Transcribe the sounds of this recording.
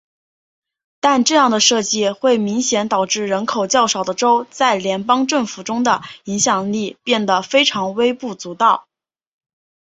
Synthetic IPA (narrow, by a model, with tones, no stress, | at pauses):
t̪a˥˧nʈ͡ʂɤ˥˧jɑ˥˩ŋd̪ə˩ʂɤ˥˧t͡ɕi˥˧xwe˥˩ɪmi˧˥ŋɕjɛ˧˥nt̪ɑ˨˩ʊʈ͡ʂɻ̩˥˩ɻə˧˥nkʰo˨˩ʊt͡ɕjɑ˥˩ʊʂɑ˨˩ʊd̪ə˦ʈ͡ʂo˥ʊt͡sa˥˩ɪljɛ˧˥npɑ˥ŋʈ͡ʂɤ˥˩ŋfu˨˩ʈ͡ʂʊ˥ŋd̪ə˨i˧˥ŋɕjɑ˨˩ŋli˥˩pjɛ˥˩nd̪ə˩fe˥ɪʈ͡ʂʰɑ˧˥ŋwe˥ɪpu˥˩t͡su˧˥t̪ɑ˥˩ʊ